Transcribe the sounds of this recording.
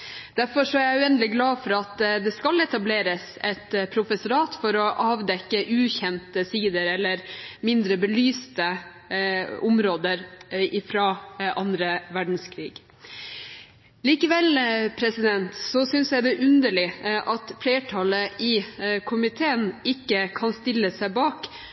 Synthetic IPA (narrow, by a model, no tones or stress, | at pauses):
d̪̥æɾfɔʂɔæɾjæɪʉɛnd̪əlɪɡlɑːfɔɾɑt̪d̪ɛskɑlɛt̪ɑbleːɾəs | ɛt̪pʰɾʊfɛsʊɾɑːt̪fɔɾɔʔɑːʋd̪ɛkːəʔʉːçɛnt̪əsiːd̪əɾɛlːəɾmɪnd̪ɾəbəlyːst̪ə | ʔʊmɾoːd̪əɾɪfɾɑːʔɑnd̪ɾəʋæɖɳ̩skʰɾḭːɡ̥ | liːkəʋɛlpʰɾɛsɪd̪ɛnt̪sɔsʏnsjæɪd̪ɛʔʉnd̪əɭɪʔɑt̪fleːʈʰɑləʔɪkʰʊmɪt̪ʰeːənɪkːəkʰɑnst̪ɪlːəsæɪbɑːk